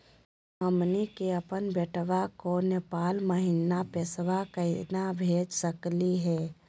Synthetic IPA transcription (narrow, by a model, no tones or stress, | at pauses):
əmnikeəpənbeʈʰʋakonepaːlməɦinapesʋakəinabʱeːd͡ʒsəkliɦɛː